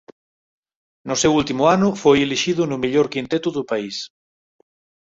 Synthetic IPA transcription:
nosewult̪imuanufojeliʃiðunumeʎoɾkint̪et̪uðupais

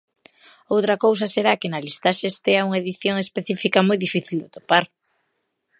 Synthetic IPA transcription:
owt̪ɾɐkows̬ɐseɾakenɐlist̪aʃest̪eauŋaeðiθjoŋespeθifikamojðifiθild̪et̪opaɾ

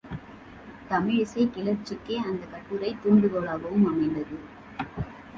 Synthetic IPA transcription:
t̪ɐmɪɻsɐɪkɪlɐɾt͡ʃːɪkːeːɐnd̪ɐkɐʈːɯɾɐɪt̪uːɳɖɯɣɐɭaːɣɐʋɯmɐmɐɪnd̪ɐðɯ

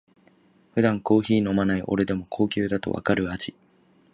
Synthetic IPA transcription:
ɸɯ̟d̪ãŋko̞ːçiːno̞manaiʔo̞̰ɾe̞d̪e̞mo̞kʰo̞ːkʲɨːd̪at̪o̞̰βa̰kaɾɯ̟at͡ɕi

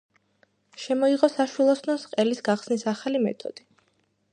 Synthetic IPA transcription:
ʃɛmɔiʁɔsaʃwilˠɔsnɔsqʼɛlisɡaχsnisaχalimɛ̰t̪ʰʼɔ̰d̪̥i

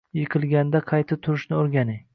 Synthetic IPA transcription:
jɨqʰɨlˠɡʲand̪aqʰɑjt̪ʰat̪ʰʊɾɪʃnɪoɾɡʲanɪj

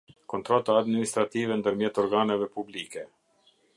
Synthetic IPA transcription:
kɔnt̪ɾɔt̪aːd̪minist̪ɾat̪ivɛnd̪əɾmjɛt̪ɔɾɡanɛvɛpublikɛ

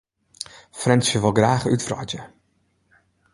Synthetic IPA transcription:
frɛnsjəʋəlˠɡraːχytfrɔ̰tə

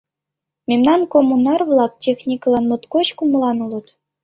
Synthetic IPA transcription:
mʲemnɑnkomunɑrvlˠɑk̚tʲexnʲiklˠɑnmɤ̆t̪koɕkumɤ̆lˠɑnulˠɤ̆t̪

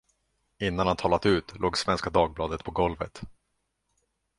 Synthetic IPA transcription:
ɪnːanhant̪ʰɑːlat̪ʉ̟ːt̪loːɡsvɛnskad̪ɑːɡ̚blɑːd̪ət̪̚pʰɔɡɔlvə̰t̪

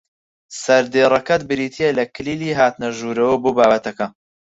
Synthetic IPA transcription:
sɐɾd̪eːrˤɐkɐt̪bɨɾiːt̪ʰijelɐkʰɨliːliːɦaːt̪nɐʒuːɾɐwɐboːbaːbɐt̪ʰɐkɐ

